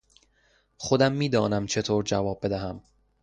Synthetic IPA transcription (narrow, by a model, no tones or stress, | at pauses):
χod̪æmːiːd̪ɒːnæmt͡ʃʰet̪ʰoːɾd͡ʒævɒːb̚ːe̞d̪æɦæm